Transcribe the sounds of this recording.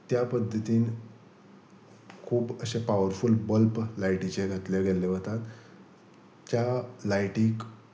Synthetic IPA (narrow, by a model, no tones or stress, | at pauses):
t̪japəd̪ʱːət̪iːn | kʰuːbəɕepaʋəɾfulbəlplajʈit͡ɕeɡʱat̪leɡʱeleʋət̪at̪ | jalajʈiːk